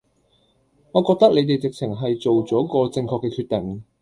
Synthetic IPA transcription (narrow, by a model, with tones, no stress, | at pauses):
ŋɔː˨˧kɔː˧k̚t̪ɐ˥k̚le˨˧jt̪e˨jt͡sɪ˨k̚t͡sʰɪ˨˩ŋɦɐ˨jt͡so˨wt͡sɔː˨˥kɔː˧t͡sɪ˧ŋkʰɔː˧kːɛː˧kʰyː˧t̪̚t̪ɪ˨˩ŋ